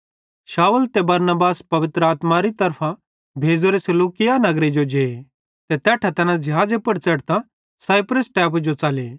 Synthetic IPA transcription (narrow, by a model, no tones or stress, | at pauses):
ʃaːult̪ebɐɾnəbaːspɐʋɪt̪ɾəaːt̪maɾit̪ɐɾpʰã | bʱeːd͡zoɾesɐluːkɪjanɐɡɾed͡ʒod͡ʒeː | t̪et̪ɛːʈʰat̪ɐnãd͡ʒɪɦaːd͡zepɐɽt͡sɐʈt̪ã | saːjpɾəsʈɛːpd͡ʒot͡saleː